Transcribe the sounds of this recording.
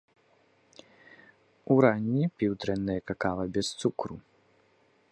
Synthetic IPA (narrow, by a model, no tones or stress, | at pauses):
uɾanʲːipʲiwd̪ɾɛnːɨjɐkakavɐbʲɛst̪sukɾu